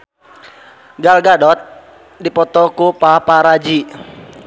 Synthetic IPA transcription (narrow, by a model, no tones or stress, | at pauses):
ɡalɡadɔt̪̚ | dipɔt̪ɔkupapaɾad͡ʒi